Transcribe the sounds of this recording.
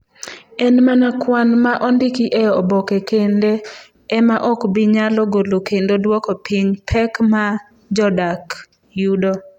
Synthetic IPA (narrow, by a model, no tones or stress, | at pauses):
ɛnmanakwanmaʔɔndikiʔejɔbɔkekende | ɛmaʔɔkbiɲalɔɡolokendodwɔkɔpʰiɲpʰɛkma | d͡ʒɔdak | judo